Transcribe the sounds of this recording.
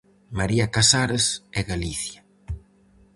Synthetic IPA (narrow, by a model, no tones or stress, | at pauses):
maɾiakasaɾesɛɣaliθja